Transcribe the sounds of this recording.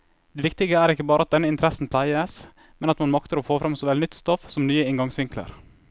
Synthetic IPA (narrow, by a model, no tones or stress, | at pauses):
d̪̥ɛːʋɪkt̪ɪɡəæːɾɪkːəbɑːɾəɑt̪̚d̪ɛnːəɪnt̪əɾɛsn̩pʰlæɪəs | mɛnɑt̪mɑnmɑkt̪əɾoːfoːfɾɑmsɔʋɛlnʏt̪ːst̪ɔfsɔmnyːəɪŋɡɑŋsʋɪŋklə̰ɾ